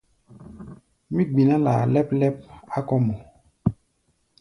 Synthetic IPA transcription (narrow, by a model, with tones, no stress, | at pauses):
mĩ˦ɡ͡bi˨nã˦la̰˨lɛ˦plɛ˦p̚a˦kɔ˦mɔ˨